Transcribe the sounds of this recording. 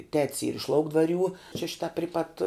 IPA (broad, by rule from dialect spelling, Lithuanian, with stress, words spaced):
tʲɛtʲs iːr ɪʃ ˈlˠɐʊɡdʋɐˌrʲuː t͡ʃʲɛ ˈʃʲɪtɐ ˈpʲrʲɪ pɐt